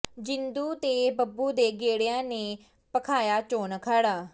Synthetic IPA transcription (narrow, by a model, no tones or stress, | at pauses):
d͡ʒɪnd̪uːt̪eːbəbuːd̪eːɡeːɽɪjãːneː | pəkʰaːjaːt͡ʃoːnkʰaːɽaː